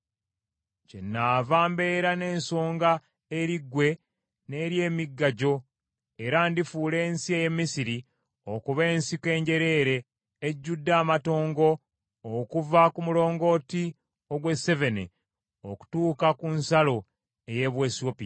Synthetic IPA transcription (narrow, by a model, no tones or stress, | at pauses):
cenːaːvaːmbe̞ɾane̞ːnso̞ːŋɡa | eɾiɡwe̞ | ne̞ɾje̞ːmiɡːaɟo̞ | eɾandifuːle̞ːnsieje̞mːisiɾi | okuβe̞ːnsike̞ːɲɟe̞ɾe̞ːɾe̞ː | ɟːudːaːmato̞ːŋɡo̞ː | kuvakumulo̞ːŋɡo̞ːti | o̞ɡwe̞se̞ve̞nḛ | oku̥tuːkakunsalo̞ | eje̞βwe̞ːsiopi